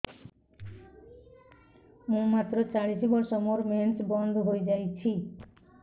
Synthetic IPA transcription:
mũmat̪ɾot͡ɕaɽisibɔɾʃɔmoɾmensbɔnd̪ʱɦojd͡ʒajt͡ɕʰi

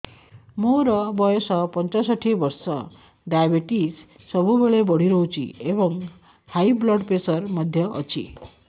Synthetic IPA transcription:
moɾʌbʌjɔsʌpʌnt͡sasʌʈʰibʌɾsʌ | ɖajbʱeʈisː | ʌbubeɭebʌɽ̤iɾʌũt͡sʰḭebʌŋ | hajblʌɖpesʌrmʌd̪ʱjʌʔʌ̰t͡sʰḭ

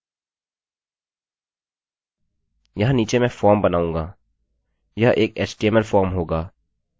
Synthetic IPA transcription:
jɐɦãniːt͡ʃemɛ̃fʰɔːɾmbɐnaːũːŋɡaː | jɐɦʔeːkɛːsʈeːməlfʰɔːɾmɦoːɡaː

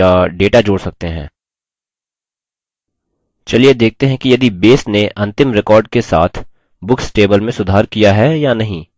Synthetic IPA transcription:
aɖeːʈad͡ʒoːɽsɐk̚t̪eɦɛ̰̃ː | t͡ʃɐlied̪eːk̚ʰt̪eɦɛ̃kijɐd̪ibeːsneʔɐ̃nt̪ɪmɾɪkɔːɾɖ̚kesa̰ːt̪ʰ | bʊksʈeːbəlmẽsʊd̪ʱaːɾkijaɦɛjanɐɦĩː

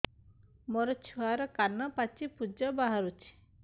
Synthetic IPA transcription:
mɔɾɔt͡ʃʰuaɾɔkanːɔpat͡ʃipud͡ʒɔbaɦaɾut͡ʃʰi̥

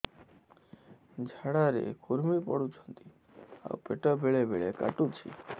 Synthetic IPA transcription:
d͡ʒʱaɽaɾḛkuɾmipɔɽut͡ʃʰɔnt̪i | a̰upeʈɔbʱeɭebʱeɭeka̰ʈũt͡ʃʰḭ

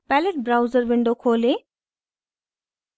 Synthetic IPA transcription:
pæleʈ̚bɾawzəɾʋiɳɖokʰoːle

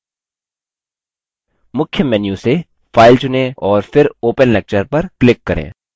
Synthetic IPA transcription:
mʊkʰjəmɛːnjuse | faːɪlt͡ʃʊnẽɔːɾfɪɾoːpənlɛk̚t͡ʃəɾpɐɾklɪkːɐɾḛ̃ː

